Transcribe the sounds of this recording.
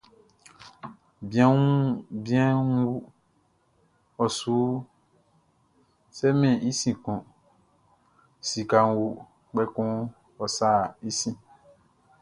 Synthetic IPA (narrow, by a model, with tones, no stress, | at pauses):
bĩ˨˦ã˦ũ˦bi˦ã˦wu˦ | ɔ˨su˨˦ | sɛ˦mɛ̃˨i˦sĩ˨kɔ̃˨ | si˨ka˨ŋ˨˦wu˦ | k͡pɛ˦kɔ̃˦ | ɔ˨sa˦˨i˦sĩ˦